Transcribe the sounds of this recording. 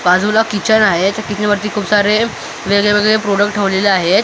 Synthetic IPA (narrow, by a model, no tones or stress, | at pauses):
kad͡zulakit͡ɕənaɦet̪akit͡ɕənʋəɾt̪iːkʰuːbsaɾe | ʋeɡɭeʋeɡɭepɾoɽəkʈʰːəʋleleaɦet̪